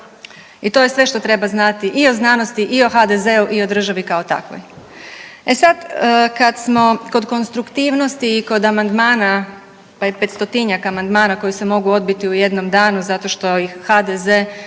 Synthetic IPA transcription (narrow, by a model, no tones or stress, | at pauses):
it̪o̞je̞sʋe̞ʃt̪o̞t̪ɾe̞baznat̪iʔio̞znaːnost̪iʔio̞xad̪ezeuʔio̞d̪r̩ʒaʋikao̞t̪a̰kʋo̰j | e̞sad̪əkad̪smo̞ko̞d̪ko̞nst̪ɾukt̪iːʋno̞st̪iːko̞d̪amand̪maːna | pajepe̞t̪st̪o̞t̪iɲakamand̪maːnako̞jise̞mo̞ɡuo̞d̪̚bit̪iuje̞d̪no̞md̪aːnuzat̪o̞ʃt̪o̞ihad̪ezeː